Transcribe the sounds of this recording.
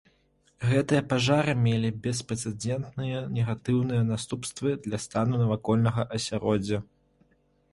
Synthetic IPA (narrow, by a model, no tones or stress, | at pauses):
ɣɛt̪ɨjɐpaʐaɾɨmʲelʲibʲɛspɾɛt̪sɛd͡zʲɛnt̪nɨjɐnʲɛɣat̪ɨwnɨjɐnast̪upst̪vɨd̪lʲɐst̪anunɐvakɔlʲnɐɣɐʔɐsʲaɾɔd͡zʲːɐ